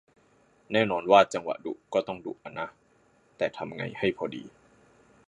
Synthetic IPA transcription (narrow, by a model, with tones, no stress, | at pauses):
nɛː˥˩nɔː˧nwaː˥˩t͡ɕa˧ŋwa̰˨˩dṵ˨˩ʔkɔː˥˩t̪ɔ˥˩ŋdṵ˨˩ʔʔa˧nːa˦˥ | t̪ɛː˨˩t̪ʰa˧mŋa̰˧jha˥˩jpʰɔː˧dḭː˧